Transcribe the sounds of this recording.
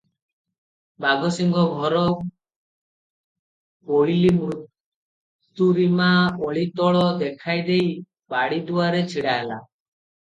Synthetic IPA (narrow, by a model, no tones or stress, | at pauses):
baɡɔsiŋɡʱɔɡʱɔɾɔ | ojlimɾut̪ | uɾimaoɭit̪ɔɭɔd̪ekʰajd̪ej | baɽid̪uaɾet͡ʃʰiɽaɦela̰